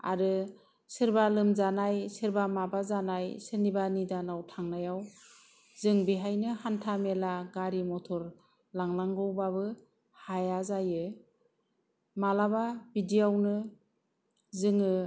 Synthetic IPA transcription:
a̰ɾɯ | sɯɾbalɯmzanajsɯɾbamabazanajsɯnibanidanawtʰaŋnajaw | zɯŋbiɦajnɯhantʰamelaɡaɾimɔtʰɔɾ | laŋlaŋɡɔwbabɯ | hajazajɯ | malababidijawnɯ | zɯŋɯ

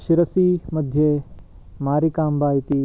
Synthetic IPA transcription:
ʃɪɾəsimɐd̪ʱje | maːɾikaːmbaːit̪iː

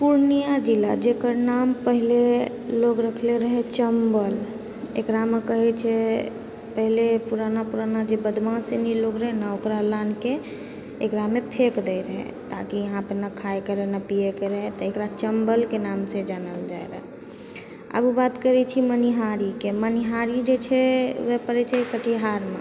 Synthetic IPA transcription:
puɾnijad͡ʒilad͡ʒekəɾnampəɦile | loɡɾəkʰleɾəɦɛt͡ʃəmbəl | ḛkɾamekəɦɛt͡ʃʰɛ | pəɦilepuɾanapuɾanad͡ʒebəd̪mãseniloɡɾəɦɛnaokɾalankeː | kɾamepʰekd̪ɛjɾəɦɛ̰ | t̪akiəɦãpənakʰajkəɾenapiekeɾəɦɛt̪ɔekɾat͡ʃəmbəlkenamsẽd͡ʒanəld͡ʒaeɾə̰ɦ | ə̰bubat̪kəɾɛt͡ʃʰiməniɦaɾikeməniɦaɾid͡ʒet͡ʃʰɛwepəɾɛt͡ʃʰɛkəʈʰiɦaɾma

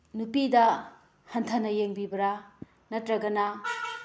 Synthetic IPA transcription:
nupidɐ | hɐntʰɐnɐjeŋbibɐɾa | nɐtɾɐɡɐna

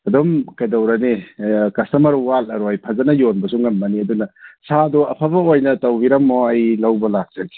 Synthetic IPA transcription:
ɐdɔmkɐjdɐwɾɐnikɐsɐmɐɾuwalɐɾojpʰɐzɐnɐjonbɐsuŋɐmːɐniɐdunɐsʰadɔɐpʰɐbɐojnɐtɐwbiɾɐmːɔɐjlɐwbɐlak̚z̥ɐɡi̥

